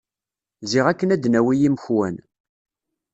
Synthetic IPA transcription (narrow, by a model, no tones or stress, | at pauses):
ziʁækːənæd̪næwijiməçwæn